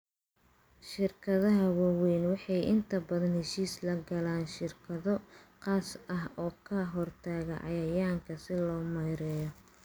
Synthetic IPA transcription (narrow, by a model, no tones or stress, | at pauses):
ʃɪrkʰɐðɐɦɐwɑwɛːnwɑħɑjʔɪnt̪ʰɐbɐðɐnhɛʃiːslɐɡɐlaːnʃɪrkʰɐðɔqɑːsɐɦɔːkʰɐɦɔrt̪ʰaːɣɐʕɑ̰jɐjaːŋkʰɐsɪlɔːmɐjɾɛːjɔ